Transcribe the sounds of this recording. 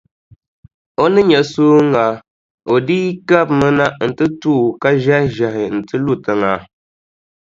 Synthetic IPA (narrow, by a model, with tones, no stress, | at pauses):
o˦nɨ˦ɲɛ˨soː˦ŋa˨ | o˨diː˦ka˦bmɨ˦na˦n̩˨tɨ˦tuː˦˨ka˦ʒɛ˦ʒɛ˨ɦɪ˨n̩˨tɨ˦lu˦tɨ˨ŋa˨